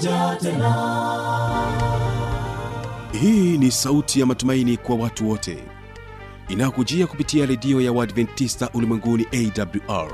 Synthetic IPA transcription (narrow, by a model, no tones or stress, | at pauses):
hiːnisautʰijamatumainikwawatuwɔtʰɛ̰ | inajɔkud͡ʒiakupitiaɾɛdiɔjawadvɛntːistaʔulimwɛŋɡuniʔɛidabljuʔa̰ɹ